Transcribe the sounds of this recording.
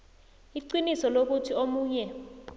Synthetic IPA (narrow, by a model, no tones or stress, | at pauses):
iǀinisɔlok̬utʰiomuːɲɛ